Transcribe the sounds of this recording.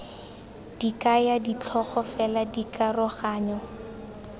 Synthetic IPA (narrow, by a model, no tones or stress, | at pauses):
d̥ikajadit͡ɬʰɔχɔfɛladikarʊχaːɲɔ